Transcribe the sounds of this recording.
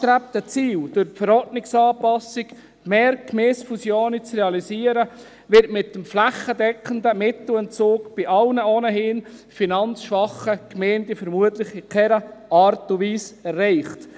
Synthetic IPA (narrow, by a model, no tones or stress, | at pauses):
t̪ɾæp̚t̪ət͡siːld̥ʊɾpfəɾɔɾdnɪksɑːpɑsɪk | meːɾkmeːsfusjoːnit͡srɛɑlisiːəɾə | ʋɪɾtmɪtːəmflæχːədɛkχəndəmɪt̪l̩ɛnt͡soːkb̥ɪʔɑlnəoːnəhɪnfinɑnt͡sʃʋɑχəkmɛːntifəɾmuətlɪχikʰɛɾəɑːɾtuʋiːsɛrːɛɪχt